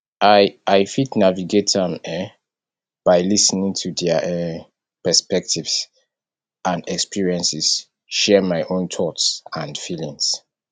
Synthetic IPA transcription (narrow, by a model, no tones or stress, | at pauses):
ʔaaɪfitnaviɡetʰãmɛ | b̥aɪlisnĩŋtʰudɛʔɛ | pɛspɛk̚tʰivs | ãndɛkspiɹiɛ̃nsis | ʃɛmaɪʔõntʰɔtsãndfilĩŋs